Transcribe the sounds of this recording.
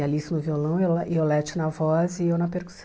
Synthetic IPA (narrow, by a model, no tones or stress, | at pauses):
ɐlisʊnʊviolɐ̃w̃ewieowlɛt͡ʃɪnɐvɔzɪewnɐpeɾku̥s